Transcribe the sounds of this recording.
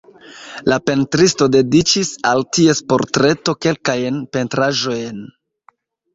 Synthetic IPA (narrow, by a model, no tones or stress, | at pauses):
lape̞ntɾisto̞de̞dit͡ʃisaltie̞spo̞̰ɾtɾe̞to̞ke̞lkajnpe̞ntɾaʒo̞jn